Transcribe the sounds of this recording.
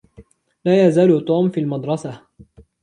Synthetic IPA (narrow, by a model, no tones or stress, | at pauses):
laːjazaːlʊt̪ˤuːmfiːlmɑd̪ɾˤɑsa